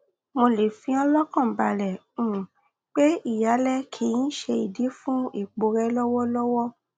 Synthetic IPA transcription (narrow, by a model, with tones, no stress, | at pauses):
mo˧le˨fĩ˧˦ɔ˧lɔ˦kɔ̃˦˨ba˨ɾɛ˨ | ũ˨ | k͡pe˦i˦˨ja˨˦lɛ˦kʰi˨˧jĩ˦ʃe˧i˨di˨˦fũ˦i˦˨k͡po˧˦ɾɛ˧lɔ˦wɔ˦lɔ˦wɔ˦